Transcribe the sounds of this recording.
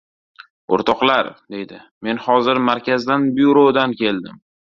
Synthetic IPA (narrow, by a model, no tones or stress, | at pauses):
o̰ɾt̪ʰɒqlˠaɾd̪e̞jd̪ɪ | me̞nhɒzɪɾmaɾkʲʰazd̪anbuɾod̪ankʲʰe̞ld̪ɪm